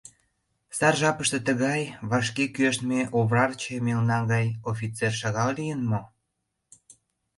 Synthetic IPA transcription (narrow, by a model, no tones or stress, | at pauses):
sɑrʒɑpəʃt̪ĕt̪əɣɑjβɑʃkekyøʃt̪meʔoβrɑrt͡ɕemelnɑɡɑjofit͡serʃɑɣɑllijənmo